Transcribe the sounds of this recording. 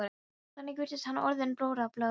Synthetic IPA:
ɾ | θanːɛc̬ɪvɪɾt̪ɪst̪hanːɔɾðɛnpɾoːwɾaplœː

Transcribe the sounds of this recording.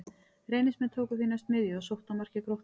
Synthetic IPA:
rejnɪsmɛnt̪ʰoːwkʏfinast̪mɪðjɔsowht̪amar̥cɪkɾoht̪

